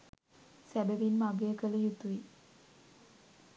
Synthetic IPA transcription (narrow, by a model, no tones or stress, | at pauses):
sæbəʋinmaɡejəkələjut̪uʋi